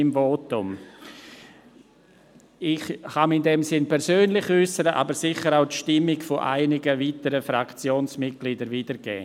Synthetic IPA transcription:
ɪmvoːtʊm | ɪxxamɪndɛmsɪnpʰɛɾsøːnlɪçʏsəɾəʔa̰bəɾsɪxəɾaʊtʃtɪmːɪɡfoʔa̰ɪnɪɡəviːtəɾəfɾakt͡sjoːnsmɪt̚ɡ̥liːdəɾviːdəɾɡɛ̰ː

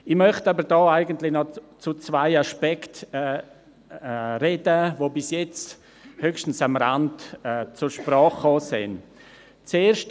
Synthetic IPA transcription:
ɪmœχtabəɾdɔːaɪɡəntlɪnɔt͡sut͡svaɪaʃpɛktɛ | ɾedəvobɪsjɛt͡st | høkʃtn̩samɾa̰ndɛːt͡suɾʃpɾɑːχːoːsɪn | t͡seːɾʃt

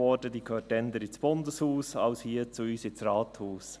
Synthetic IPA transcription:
ɔdədikʰøːtɛnd̪əɾɪt͡sb̥ʊndəshuːsɑʊshiət͡suyːsɪt͡srɑːt̪huːs

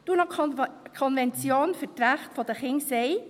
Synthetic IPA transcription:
d̥uːnɑkʰɔnvɛnt͡sjoːnfətɾæχtfɔd̥̪əχɪŋseɪ

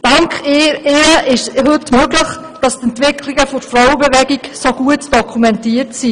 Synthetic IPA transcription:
d̥ɑŋkχɪɪɾəʔɪʃhɵtmøɡləχ | d̥ɑstɛntʋɪkʰliɡəfʊɾfrɔʊwəbɛvɛɡiksoɡuətd̥ɔkʰumɛntiəɾtsi

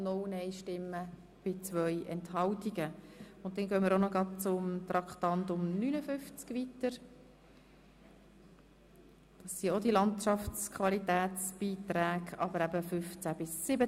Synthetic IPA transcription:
nɔwnɛɪʃtɪmːə | b̥ɪt͡sʋœjʔɛnthɑltiɡəʊntdɛnɡœːməɾonoɡɾɑd̚t͡sʊmt̪ɾɑkχt̪ɑnt̪ʊmnynəfʏft͡skʋitəɾ | d̥ɑsːiod̪ilɑntt͡ʃɑft͡skʰvɑlitæːt͡sb̥iːt̪ɾæːɡɑbəɾæbəfʏft͡sæb̥ɪsːɪbə

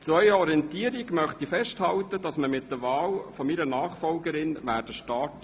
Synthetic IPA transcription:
t͡sʋœʏɔɾiɛntiːəɾiɡmœχt̪ifɛʃthɑlt̪əd̥ɑsməmɪt̚d̥̪əʋɑːlfɔmiɾənɑːχfɔlɡəɾɪnʋæːɾd̥əʃtɑːt

